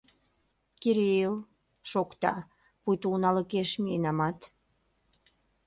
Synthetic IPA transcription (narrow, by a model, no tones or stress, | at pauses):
kiɾeil | ʃokt̪ɑ̰ | pujt̪uunɑlə̆keʃmienɑmɑt̪